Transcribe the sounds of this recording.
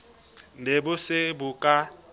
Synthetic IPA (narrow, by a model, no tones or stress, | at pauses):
nebʊsɪbukʼa